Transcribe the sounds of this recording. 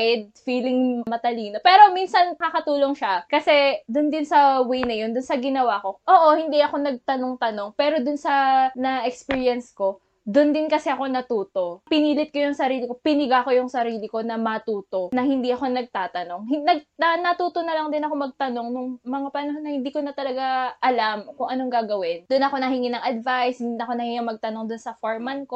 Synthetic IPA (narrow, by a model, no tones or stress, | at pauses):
d̪̚fiːlɪŋmɐt̪ɐliːno̞pɛːɾo̞minsɐnmɐkɐkɐt̪uːlo̞ŋʃakɐsɛd̪ʊnd̪ɪnsɐwɛjnɐjo̞nd̪ʊnsɐɡɪnɐwako̞ʔoːʔo̞hɪnd̪iʔɐko̞nɐɡ̚t̪ɐnoŋt̪ɐno̞ŋpɛːɾo̞d̪ʊnsɐnɐʔɛkspiːɹjɐnsko̞ | d̪ʊnd̪ɪnkɐsɛʔɐko̞nɐt̪uːt̪o̞pɪniːlɪt̪̚ko̞jʊŋsɐɾiːlɪko̞pɪnɪɡako̞jʊŋsɐɾiːlɪko̞nɐmɐt̪uːt̪o̞nɐhɪnd̪iʔɐko̞nɐɡ̚t̪aːt̪ɐno̞ŋhnɐɡ̚nɐnɐt̪uːt̪onɐlɐŋd̪ɪnɐko̞mɐɡ̚t̪ɐno̞ŋnʊŋmɐŋapɐnɐɦonɐhɪnd̪iːkonɐt̪ɐlɐɡaʔɐlamkʊŋʔɐno̞ŋɡaːɡɐwɪnd̪ʊnɐko̞nɐɦɪŋinɐŋʔɐd̪vajshɪnd̪inɐko̞nɐhɪŋimɐɡ̚t̪ɐno̞ŋd̪ʊnsɐfoɹman̚ko